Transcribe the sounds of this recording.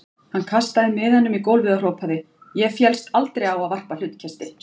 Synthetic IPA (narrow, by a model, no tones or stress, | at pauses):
hankʰast̪aðɪmːɪðhɛnːʏmikowlvɪðar̥oːwpʰaðɪ | jɛfjɛlst̪alt̪ɾejawaðvar̥pal̥ʏt̪cʰɛst̪ɪ